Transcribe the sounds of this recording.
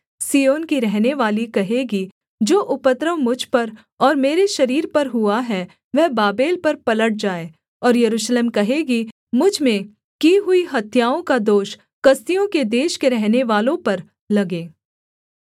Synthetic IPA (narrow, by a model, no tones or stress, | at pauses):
siːjoːnkiɾɛɦneʋaːlikɐɦeːɡi | d͡ʒoːʔʊpət̪ɾəʋmʊd͡ʒʱpɐɾ | ɔːɾmeːɾeʃɐɾiːɾpɐɾɦʊaɦɛ | ʋɛɦbaːbeːlpɐɾpɐləʈ̚d͡ʒaːeː | ɔːɾjɐɾuːʃleːmkɐɦeːɡi | mʊd͡ʒʱmẽ | kiɦʊiɦɐt̪jaːõkad̪oːʃ | kɐst̪ijõked̪eːʃkeɾɛɦneʋaːlõpɐɾ | lɐɡeː